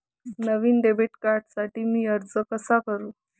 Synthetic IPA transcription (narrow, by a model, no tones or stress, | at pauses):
nəʋiːnɖebʱeʈkaɾʈsaʈiːmiːəɾd͡zəkəsakəɾuː